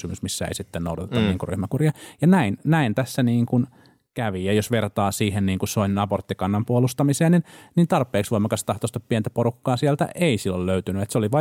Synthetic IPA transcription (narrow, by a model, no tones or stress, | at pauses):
ymysmisːæḛisit̪ːenno̰udɑt̪et̪ːɑnniːŋkury̰hmækurjɑjɑnæinnæint̪æsːæniːŋkun | kæʋijɑjosʋert̪ɑːsiːhenniːŋkusoinnɑport̪ːikɑnːɑmpuolust̪ɑmiseːnninnint̪ɑrpːˑeːksʋoimɑkɑst̪ɑht̪ost̪ɑppiɛnt̪æpoɾukːɑːsiɛlt̪æ̰ʔeisilːolløyt̪ynyet̪seoliʋɑ